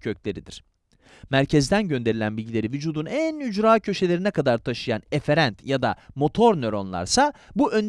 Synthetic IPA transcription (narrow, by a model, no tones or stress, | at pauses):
cʰø̞clʲe̞ɾid̪iɾ̥ | mæɾcʰɛzd̪ænɟø̞nd̪e̞ɾilʲænbilʲɟilʲe̞ɾivyd͡ʒuːd̪unænyd͡ʒɾaːcʰø̞ʃe̞lʲe̞ɾinɛkʰad̪aɾt̪ʰaʃɯjane̞fe̞ɾænt̪jad̪a̰mo̞t̪ʰo̞ɾnø̞ɾo̞̰nlˠa̰ɾsabuʔø̞n